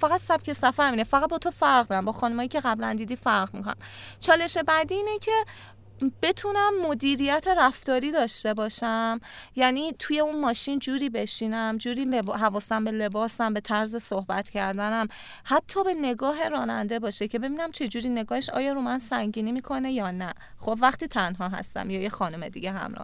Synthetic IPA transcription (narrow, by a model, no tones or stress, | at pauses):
fæɣæd̪sæb̥cʰe̞sæfæɾmiːnefæʁæt̪̚bɒːt̪ʰofæɾʁd̪æmbɒːxɒːnumɒːjicʰeɣæblæ̰nd̪iːd̪iːfæɾʁmḭkʰo̰na̰mt͡ʃʰɒːle̞ʃe̞bæd̪iiːnecʰe̞ | b̥e̞t̪ʰunæmːod̪iːɾijæt̪ʰe̞ɾæft̪ɒːɾiːd̪ɒːʃt̪e̞bɒːʃæmjæniːt̪ʰuje̞unmɒːʃind͡ʒuːɾiːbe̞ʃiːnæmd͡ʒuːɾiːlebɦævɒːsæmbe̞le̞bɒːsæmbe̞t̪ʰæɾze̞sohbæt̪cʰæɾd̪ænæm | hæt̪ʰːɒːbe̞ne̞ɡɒːɦe̞ɾɒːnænd̪e̞bɒːʃecʰe̞be̞biːnæmt͡ʃʰe̞d͡ʒuːɾiːne̞ɡɒːheʃɒ̰ːjɒːɾumænsæŋɟiːnimiːkʰo̞ne̞jɒːnæ | xobvæχt̪iːt̪ʰænɦɒːɦæ̰st̪æ̰mjɒːjexɒːnome̞d̪ḭɟe̞ɦæ̰mɾɒ̰ː